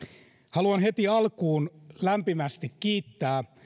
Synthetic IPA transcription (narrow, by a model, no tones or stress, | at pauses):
hɑluɑnhet̪iɑlkuːnlæmpimæst̪ikkiːt̪ːæː